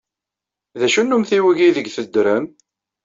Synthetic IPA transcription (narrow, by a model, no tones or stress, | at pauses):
ðæʃunːumθiwəʝiðəɡθəd̪ːɾəm